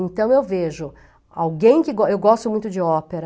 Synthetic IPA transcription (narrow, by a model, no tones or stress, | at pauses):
ẽnt̪ɐ̃w̃ewveʒʊ | a̰wɡẽj̃kɪɡɔewɡɔst̪ʊmũj̃t̪ʊd͡ʒɪɔpeɾɐ